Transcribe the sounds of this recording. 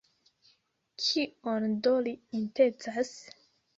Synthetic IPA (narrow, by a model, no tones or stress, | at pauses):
kʰiondoliinte̞t͡sas